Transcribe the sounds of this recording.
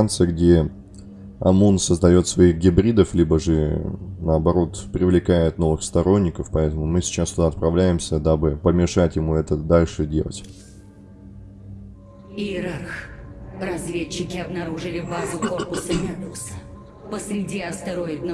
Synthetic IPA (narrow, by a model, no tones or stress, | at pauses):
ant̪sɨjəɡdʲe̞ | ɐ̰munsəzd̪ɐjo̞t̪svɐiɣɡʲɪbɾʲid̪əflʲibəʐɨnəɐbɐɾo̞t̪pɾʲɪvlʲɪkajɪt̪no̞vɨxst̪ɐɾo̞nʲːɪkəfpɐɛt̪əmʊmɨsʲɪ̥t͡ɕast̪ʊd̪aɐt̪̚pɾɐvlʲæjɪmsʲəd̪abɨpəmʲɪʂatʲjɪmuɛt̪əd̪alʲʂɨdʲe̞̰lˠə̰tʲ | iɾarxrɐzvʲet͡ɕːɪkʲɪɐbnɐɾuʐɨlʲɪbazʊko̞rpʊsəmʲabʊsə | pəsɾʲɪdʲiɐst̪ɐɾoɪt̪nə